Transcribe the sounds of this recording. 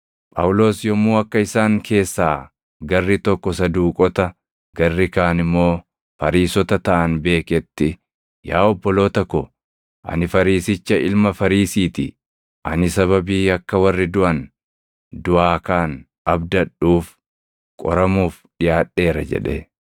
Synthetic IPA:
pʼɐwʊlo̞ːsjɔmːuːɐkːɐɪsaːŋkʰe̞ːsːaː | ɡɐrːɪt̪ɔkːɔsɐd̪uːkʼɔt̪ɐ | ɡɐrːɪkaːnɪmːo̞ː | fɐɾiːsɔt̪ɐt̪ɐʔɐnbe̞ːkɛt̪ːɪ | jaːɔbːɔlo̞ːt̪ɐkːɔ | ʔɐ̰nɪfɐɾiːsɪt͡ʃːɐɪlmɐfɐɾiːsiːt̪ɪ̰ | ʔɐnɪsɐβɐbiːɐkːɐwɐrːɪd̪ʊʔɐn | d̪ʊʔaːkaːn | ʔɐbd̪ɐᶑuːf | kʼɔ̰ɾɐmuːf | ᶑɪjaːᶑe̞ːɾɐ̰d͡ʒɛ̰ᶑḛ

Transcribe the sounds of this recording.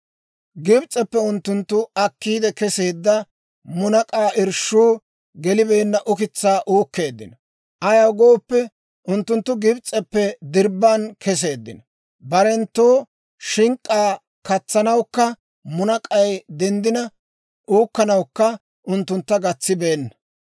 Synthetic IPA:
ɡɪbt͡sʼɛpːɛʊnt̪ːʊnt̪ːʊɐkːiːd̪ɛkɛseːd̪ːɐ | mʊnɐkʼaːʔɪɾʃuː | ɡɛlɪbeːnːɐʔʊkɪt͡sːaːʔuːkːe̞ːd̪ːɪ̰nɐ | ʔɐjɐwɡoːpːɛ | ʔʊnt̪ːʊnt̪ːʊɡɪbt͡sʼɛpːɛd̪ɪɾbːankʰɛs̬e̞ːd̪ːɪ̰nɐ | bɐɾɛnt̪ːoː | ʃɪŋkʼːaː | kɐt͡sːɐnɐwkːɐ | mʊnɐkʼɐjd̪ɛnd̪ɪnɐ | ʔuːkːɐnɐwkːɐ | ʔʊnt̪ːʊnt̪ːɐɡɐt͡sːɪbe̞ːnːɐ

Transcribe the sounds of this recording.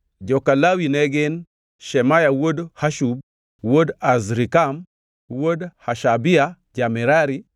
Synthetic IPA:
d͡ʒɔkalawinɛɡɪn | ʃɛmajawodhaʃub̚ | wodazɾikam | wodhaʃabia | d͡ʒamiɾaɾi

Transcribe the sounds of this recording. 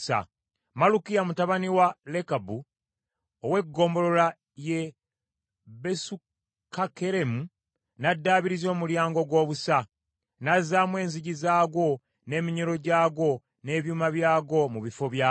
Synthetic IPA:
sa̰ | malukijamutaβaniwale̞kabu | owe̞ɡːo̞ːmbo̞lo̞la | je | besu | kakeɾe̞mu | nadːaːβiɾizo̞ːmuljaːŋɡo̞ɡwo̞ːβusa | nazːaːmwe̞ːnziɟizaːɡo̞ | ne̞miɲoɾo̞ɟaːɡo̞ | ne̞βjuːmaβjaːɡo̞muβifo̞βja

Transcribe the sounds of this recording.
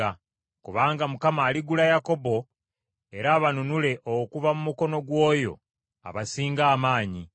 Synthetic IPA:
a | kuβaːŋɡamukamaːliɡulajako̞bo̞ | e̞ɾaːβanunule̞ʔokuvamumuko̞no̞ɡwo̞ːjo̞̰ | a̰βasiːŋɡaːmaːɲi

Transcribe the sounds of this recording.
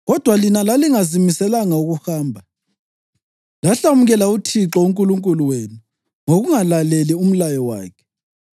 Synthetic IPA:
ɣɔd̥ʱwalinalaliŋazimisɛlaŋauɣuhaːmbʱa | laɬamuɣɛlautʰiǁɔuŋkʼuluŋkʼuluwenu | ŋoɣuŋalalelium̩lajɔwa̰ːkʰɛ̥

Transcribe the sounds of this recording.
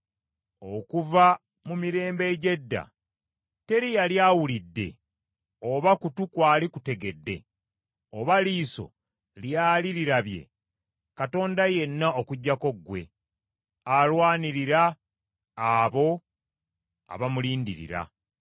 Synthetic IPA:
okuva | mumiɾe̞ːmbe̞ɟe̞dːa̰ | te̞ɾijaljaːwulidːe̞̰ | oβakutukwaːlikute̞ɡe̞dːe̞̰ | oβaliːso̞̰ | ljaːliɾiɾaβje̞̰ | kato̞ːndaje̞nːaokuɟːako̞ɡwe̞̰ | alwaːniɾiɾaː | βo̞ | a̰βamuliːndiɾḭɾa̰

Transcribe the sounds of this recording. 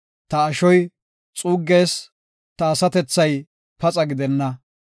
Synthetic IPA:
t̪ɐːʃɔj | t͡sʼuːɡːeːs | t̪ɐːsɐt̪ɛt͡sːɐj | pɐt͡sʼɐɡɪd̪ɛnːɐ

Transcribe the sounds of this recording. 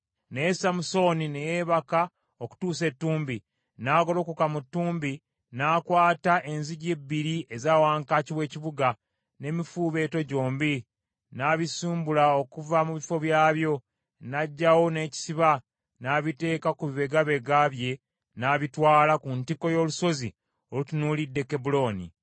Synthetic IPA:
nejesamuso̞nine̞jeːβaka | oku̥tuːse̞tːuːmbi | naːɡo̞lo̞kukamutːuːmbi | nakwaːtaʔe̞nziɟebːiɾiezaːwaːŋkaciβwe̞ːciβuɡa | ne̞mifuːβe̞ːto̞ɟo̞ːmbi | naβisuːmbulao̞kuvamuβifo̞βjaːβjo̞ | naɟːawo̞ne̞ːci̥siβa | naːβite̞ːkakuβiβe̞ɡaβe̞ɡaβje̞ | naβitwaːlakuntiko̞jo̞ːluso̞zi | olutunuːlidːe̞kebulo̞nḭ

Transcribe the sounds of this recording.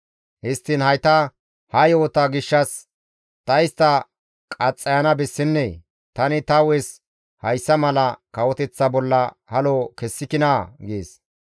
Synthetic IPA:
hɪst̪ːɪnhɐjt̪ɐ | hɐjoːt̪ɐɡɪʃːɐs | t̪ɐjɪst̪ɐ | kʼɐt͡sʼːɐjɐnɐbɛsːɪnːeː | t̪ɐnɪt̪ɐwɛs | hɐjsːɐmɐlɐkɐwɔt̪ɛt͡sːɐbɔlːɐ | hɐloːkɛsːɪkɪnaːɡeːs

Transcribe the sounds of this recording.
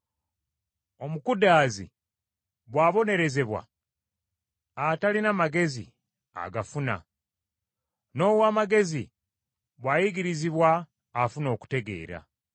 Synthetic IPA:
o̞mukudaːzḭ | βwaːβo̞ne̞ɾe̞ze̞βwa̰ | atalinamaɡe̞zḭ | a̰ɡafuna̰ | no̞ːwaːmaɡe̞zi | βwajiɡiɾiziβwaː | funo̞ːku̥te̞ɡe̞̰ːɾa̰

